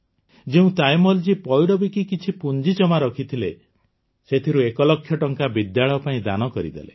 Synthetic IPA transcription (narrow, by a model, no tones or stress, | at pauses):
d͡ʒeũt̪ajmɔld͡ʒipɔjɽɔbikikit͡ʃʰipund͡ʒit͡ʃɔmaɾɔkʰit̪ʰile | set̪ʰiɾuekɔlɔkʰːjɔʈɔŋkabid̪jaɭɔpaĩd̪a̰nɔkɔɾḭd̪ḛlḛ